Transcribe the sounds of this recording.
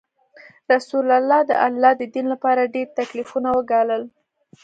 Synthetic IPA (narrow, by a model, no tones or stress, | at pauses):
ɾasulalːɑd̪ə̰ʔalːɑd̪əd̪inlapɑɾaɖeɾt̪aklifunawəɡɑləl